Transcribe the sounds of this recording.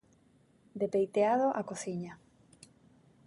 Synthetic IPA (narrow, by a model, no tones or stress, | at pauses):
d̪epejt̪eaðoʔakoθiɲa